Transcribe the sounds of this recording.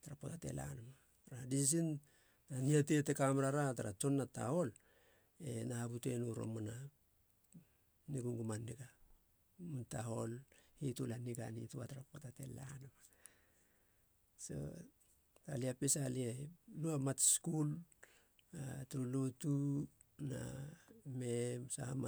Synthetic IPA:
taɾapotate̞̰lʔa̰nama | ɾadis̬in | naniate̞tekamɾaɾataɾa̰t͡ʃo̞nːata̰ho̞l | e̞nahabute̞nuɾo̰mona | niɡuŋɡumanːiɡa | muntaɦo̞lhitulaniɡanḭtua̰taɾapotate̞̰la̰namḁ | so̰ | taliapesalieluamatskul | atɾulutu | na̰memsahama

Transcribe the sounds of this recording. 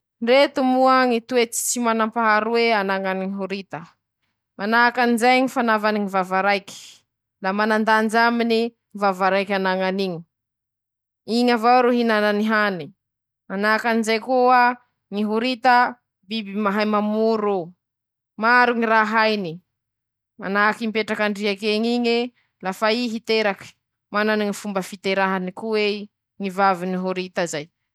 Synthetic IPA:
nret̪umuaŋit̪uet͡si̥t͡simanampaɦaɾuweanaŋaniŋiɦuɾit̪ə | manaakanizajɲifanavaniŋivavaɾajki̥ | lamanand̪and͡ʒamini | ŋvavaɾajkʲanaŋaniɲi | iɲavawɾuɦinananiɦani | manakanizajkua | ŋiɦuɾit̪ə | bibimaɦajmamuɾu | maɾuŋiɾaɦajni | ma̰nakimpeʈ͡ʂakaɳɖ͡ʐiakeɲiɲi | lafaiɦit̪eɾaki̥ | mananiŋifumbəfit̪eɾaɦanikuwe | ŋivaviniɦuɾit̪əzaj

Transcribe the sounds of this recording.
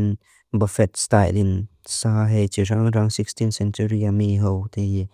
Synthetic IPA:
n | bafɛt̪̚stajlinsaɦejt͡ʃiraŋraŋsikstinsɛnt͡ʃuɾiamiɦowt̪ei

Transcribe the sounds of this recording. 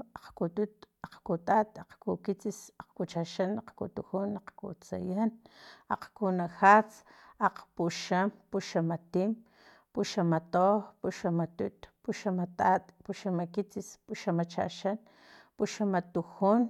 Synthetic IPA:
aqkut̪ut̪aqkut̪at̪aqkukit͡sisaqkut͡ʃaʃanaqkṵt̪uxunaqkṵt͡sa̰jana̰qkunaxat͡saqpuʃampuʃamat̪im | puʃamat̪opuʃamat̪ut̪puʃamat̪at̪puʃamakit͡sispuʃamat͡ʃa̰ʃan | puʃamat̪uxun

